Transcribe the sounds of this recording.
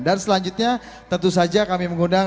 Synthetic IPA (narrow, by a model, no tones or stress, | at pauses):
dansəlaɲd͡ʒut̪̚ɲa | t̪ənt̪us̬ad͡ʒakamiməŋunda